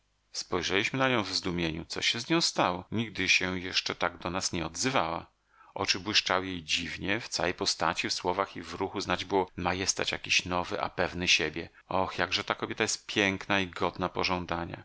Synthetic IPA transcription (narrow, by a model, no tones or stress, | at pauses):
spɔjʐɛlʲiɕmɘnaɲɔ̃w̃vzd̪umʲjeɲṵt̪sɔ̰ɕɛzɲɔ̃w̃st̪awɔɲiɡ̚d̪ɘɕɛjɛʂt͡ʂɛt̪aɡd̪ɔnasɲɛɔd̪zɘvawa̰ | ʔɔt͡ʂɘbwɘʂt͡ʂawɘjejd͡ʑivɲɛft̪sawɛjpɔst̪at͡ɕifswɔvaxivɾuxuznad͡ʑbɨwɔmajɛst̪a̰t͡ɕja̰kʲiɕnɔvɘʔa̰pɛvnɘɕebʲjɛ | ɔxjaɡʐɛt̪akɔbʲjɛt̪ajɛst̪̚pʲjɛŋknaiɡɔd̪napɔʐɔ̃nd̪aɲa̰